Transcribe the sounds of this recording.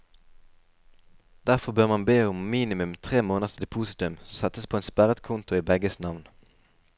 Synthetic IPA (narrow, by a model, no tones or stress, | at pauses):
d̪̥æʁfɔʁbøːʁmɑnbeːʊmmiːnɪmʉmt̪ʰʁeːmoːnəʁsd̪ɛpʰuːsɪt̪ʉmsɛt̪əspʰoːeːnspæʁət̪kʰʊnt̪ʊiːbɛɡəsnɑʋn